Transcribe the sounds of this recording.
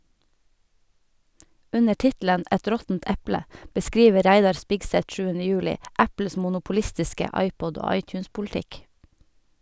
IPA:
ˈʉnə ˈʈɪtl̩ən ˈɛt ˈɾɔtn̩t ˈɛplə bəˈskɾiːʋə ˈɾæɪdɑɾ ˈspɪɡsɛt ˈʃʉːənə ˈjʉːlɪ ˈʔæpl̩s mʊnʊpʊˈlɪstɪskə ˈɑɪˌpɔd ˈoː ˈɑɪˌtjʉːnspʊlˌtɪk

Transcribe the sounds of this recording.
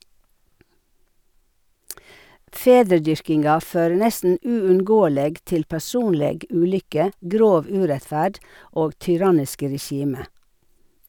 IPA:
ˈfeːdɾəˌdʏɾkɪnɡɑ ˈføːɹə ˈnɛstn̩ ˌʉːʉnˈɡoːəleːɡ ˈtɪl pæˈsuːnleːɡ ˈʉːˌlʏkə ˈɡɾoːʋ ˈʉːɾɛtˌfæːɖ ˈoːɡ tʏˈɾɑnɪskə ɾɛˈʃiːmə

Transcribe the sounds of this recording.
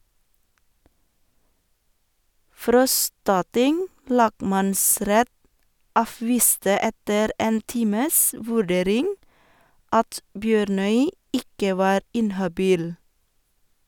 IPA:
ˈfɾɔstɑˌtɪŋ ˈlɑːɡˌmɑnˌsɾɛt ˈɑːˌfʋiːstə ˈɛtəɾ ˈeːn ˈtiːməs ˈʋʉˌɖeːɾɪŋ ˈɑt ˈbjøːɾˌnœʏ ˈɪkə ˈʋɑːɾ ˈɪnhɑˌbiːl

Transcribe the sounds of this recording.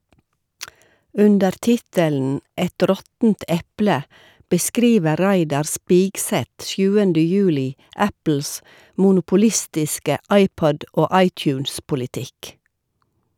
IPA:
ˈʉndəɾ ˈtɪtəln̩ ˈɛt ˈɾɔtn̩t ˈɛplə bəˈskɾiːʋə ˈɾæɪdɑɾ ˈspiːɡˌsɛt ˈsjʉːəndə ˈjʉːlɪ ˈæpl̩s mʊnʊpʊˈlɪstɪskə ˈɑɪˌpɔd ˈoː ˈɑɪˌtjʉːnspʊlɪˌtɪk

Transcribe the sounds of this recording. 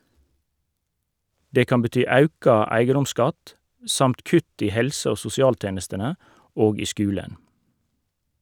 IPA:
ˈdeː ˈkɑn bəˈtyː ˈɑʉkɑ ˈæɪɡədʊmˌskɑt ˈsɑmt ˈkʉt ˈiː ˈhɛlsə ˈoː sʊsɪˈɑːlˌteːnəstənə ˈoːɡ ˈiː ˈskʉːlən

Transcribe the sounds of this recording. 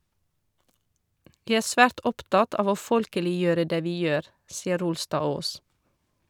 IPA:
ˈʋiː ˈæːɾ ˈsfæːʈ ˈɔpˌtɑt ˈɑːʋ ˈoː ˈfɔlkəlɪˌjøːɾə ˈdeː ˈʋiː ˈjøːɾ ˈsiːə ˈɾʊlˌstɑːˌoːs

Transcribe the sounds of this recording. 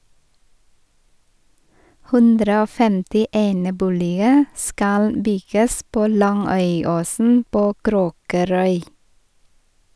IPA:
ˈhʉndɾə ˈoː ˈfɛmtɪ ˈeːnəˌbuːlɪə ˈskɑl ˈbʏɡəs ˈpoː ˈlɑŋœʏˌoːsn̩ ˈpoː ˈkɾoːkəɾœʏ

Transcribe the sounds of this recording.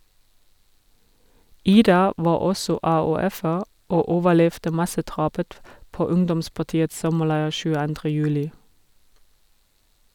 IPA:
ˈiːdɑ ˈʋɑː ˈɔsɔ ɑːʉːˈɛfəʁ ˈoː ˈoːʋəˌlɛftə ˈmɑsəˌdʁɑːpət ˈpoː ˈʊŋdɔmspɑˌtiːəts ˈsɔməˌlæɪ çʉːəˈɑndʁə ˈjʉːlɪ

